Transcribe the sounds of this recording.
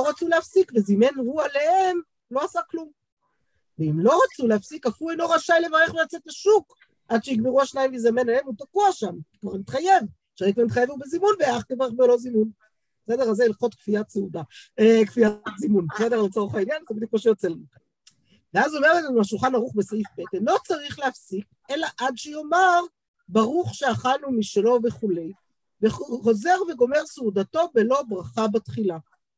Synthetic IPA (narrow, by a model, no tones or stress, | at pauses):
loʁat͡suleafsikvezime̞nhualehem | lo̞asaklum | veimlo̞ʁat͡suleafsikafiluejno̞ʁaʃalevaʁeχulat͡setaʃuk | ʔad̪ʃejiɡbeʁuaʃnajimvizamenalemut̪akuaʃamkvaʁmit̪χaje̞v | ʃeʁekvaʁmit̪χajevubezimunbeaχkevaeχbeolo̞zimun | besed̪eʁalzeilχo̞t̪kfiat̪seud̪aekfiatzimunbesedeʁalt͡soʁuχainjanzebid̪juk̚maʃejot͡selanika | veazo̞me̞ʁetanuaʃulχanaʁuχbesaifbetenlo̞t͡saʁiχleafsik̚ | elaʔadʃejo̞maʁ | baʁuχʃeaχalnumiʃelo̞veχule̞j | veχoχo̞ze̞ʁve̞ɡo̞meʁseud̪ato̞belo̞bʁaχabat̪χila